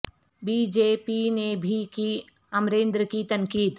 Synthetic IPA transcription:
biːd͡ʒeːpinebʱiki | ɐmɾeːnd̪ɾəkit̪ɐŋkiːd̪

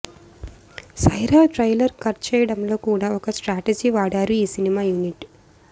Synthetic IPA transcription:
sɐjɾaːʈɾɐjlɐɾkɐɾt͡ʃɛːjɐɽɐmlo̞ːkuːɽaːɔkɐsʈɾaːʈed͡ʒiːʋaːɽaːɾuiːsinimaːjuːniʈ

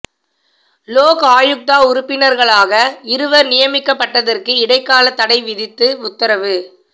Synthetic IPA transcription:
loːkaːjɯk̚t̪aːʊɾʊpːɪnɐɾɣɐɭaːɣɐɪɾɯʋɐɾnɪjɐmɪkːɐpːɐʈːɐðɐrkɯɪɽɐɪkːaːlɐt̪ːɐɽɐɪʋɪðɪt̪ːɯʊt̪ːɐɾɐʋɯ

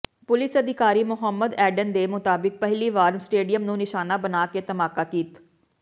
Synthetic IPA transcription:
pʊlɪsəd̪ɪkaːɾiːmʊɦəmːəd̪ɛːɖənd̪eːmʊt̪aːbɪk̚pəɦliːʋaːɾmsʈeːɖijəmnũːnɪʃaːnaːbənaːkeːt̪əmaːkaːkiːt̪

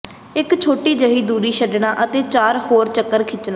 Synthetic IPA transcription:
ɪkt͡ʃʰoːʈiːd͡ʒəɦiːd̪uːɾiːʃəɖɳãːʔət̪eːt͡ʃaːɾhoːɾt͡ʃəkːəɾkʰɪt͡ʃnaː

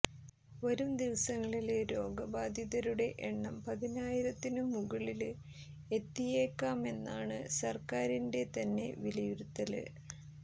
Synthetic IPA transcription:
ʋɐɾumd̪iʋɐsɐŋːɐɭilɾo̞ːɡɐbaːd̪ʱjiðɐɾuɽe̞ʔeɳːɐmpɐðinaːjiɾɐt̪ːinɨmuɣɐɭil | e̞t̪ːijeːkːaːme̞nːaːɳɨsɐrkaːɾinde̞t̪ɐnːe̞̰ʋilɐjuɾut̪ːɐlɨ̰

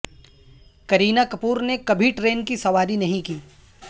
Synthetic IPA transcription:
kɐɾiːnakɐpuːɾnekɐbʱiʈɾeːnkisɐʋaːɾinɐɦĩkiː

